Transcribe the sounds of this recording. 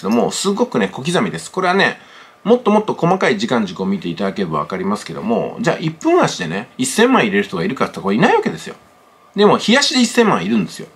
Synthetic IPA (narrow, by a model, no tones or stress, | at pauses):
d̪o̞mo̞̰sɨɡo̞kɯ̟ne̞ko̞kʲizamʲid̪e̞sɨ̥ko̞ɾe̞βane̞̰ | mo̞t̪ːo̞mo̞t̪ːo̞ko̞makaiʑikãɲ̟d͡ʑɨkɯomʲit̪e̞it̪ad̪ake̞ɾɯba̰βa̰kaɾʲimasɨ̥ke̞d̪o̞̰mo̞̰d͡ʑa̰ːʔipːɯ̟̃ɰ̃aɕid̪e̞ne̞isːẽ̞mːãɰ̃iɾe̞ɾɯ̟çʲt̪o̞ɡaiɾɯ̟kat̪ːakoinaiβaked̪e̞sɨjo̞̰ | d̪e̞mo̞çijaɕid̪eisːẽ̞mːã̰iɾɯ̟̃nd̪e̞sɨjo̞̰